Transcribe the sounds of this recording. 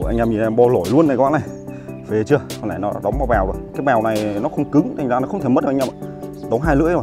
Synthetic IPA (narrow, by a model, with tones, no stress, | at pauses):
ʔa˧ŋ̟ʔa˧mi˨˩ʔɛ˧mɓɔ˧lo˧˩jlu˧ənːa˨˩kɔ̰ː˨˧˥na˨˩j | ve˨˩t͡ɕɨ˧əknlaː˧˩jnɔ˨˦ɗɔ˨˦ŋ͡mvaː˨˧˩wɓɛː˨˩wzo˨˩jkaː˨˦jɓɛ˨˩wna˨˩jnɔ˨˦xə˧wŋ͡mkɨ˨˦ŋt̪ʰa˨˩jŋ̟zaː˧nɔ˨˦xə˧ŋ͡mt̪ʰe˧˩mə˦˥t̚ːm˧˨˩ɗ̪ə˨˦ŋ͡mɦaː˧jlɨ̰˧˥əzo˨˩j